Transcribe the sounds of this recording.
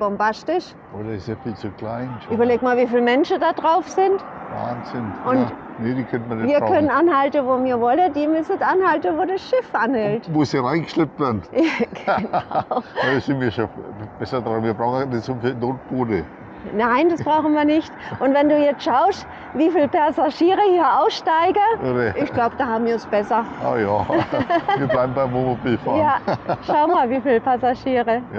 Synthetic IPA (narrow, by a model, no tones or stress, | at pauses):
b̥ɔmbastɪʃ | oːdɐɪsefiːlt͡suklaɪnʔyːbɐleːk̚maːlviːfiːlmɛnʃədaːdʁaʊfsɪntva̰ːnzɪnʔʊn | nediːkʰœntmɐnɛviːɐkʰœnənʔanhaltn̩voːmiːɐvɔlədiːmʏsətʔanhaltn̩voːdasʃɪfʔanhɛltmʊsiʁaɪnŋɡ̥əʃlɪp̚tvɛɐdn̩jaɡ̥naʊɪsɪnmiːɐʃob̥ɛsɐdʁaʊnviɐbʁaʊxnnɪsofinoːt̚b̥oːdə | naɪndasb̥ʁaʊxn̩viːɐnɪçtʔʊntvɛnduːjɛt͡stʃaʊst | viːfiːlpʰaɐzaʃiːʁəhiːɐʔaʊfʃtaɪɡəvdəʔɪçɡ̥laʊbəd̥aːhaːbm̩viːɐnsb̥ɛsɐʔa̰ːjaː | viːɐblaɪbm̩baɪmomobiːfa̰jaːʃaʊəmaːlviːfiːlpʰasaʃiːʁə